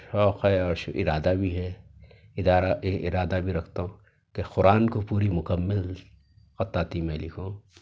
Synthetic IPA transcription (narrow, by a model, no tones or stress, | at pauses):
ʃɔːqɦɛɔːɾʃʔɪ̰ɾaːd̪abʱiɦɛ | ɪd̪aːɾaʔɪɾaːd̪abʱiɾɐkʰt̪aɦõː | kexʊɾaːnkopuːɾimʊkəmːəl | xɐt̪ːaːt̪imẽlɪkʰõː